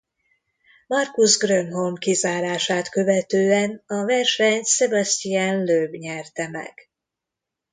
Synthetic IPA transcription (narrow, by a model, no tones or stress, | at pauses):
mɒrkuzɡrømɦo̞lmkizaːɾaːʃaːt̪køvɛt̪øːɛnɒvɛrʃɛɲt̪sɛbɒst̪ijanløːbɲɛrt̪ɛmɛ̰ɡ̥